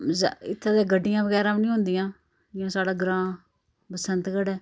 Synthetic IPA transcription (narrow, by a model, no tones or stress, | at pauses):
zɪ̰t̪ʰːaːd̪eːɡəɖːɪjãːbəɡɛːɾãːbnĩːɦʊ̃nd̪ijãː | ɪãːsaːɽaːɡɾãː | pəsənt̪ɡəɖɛː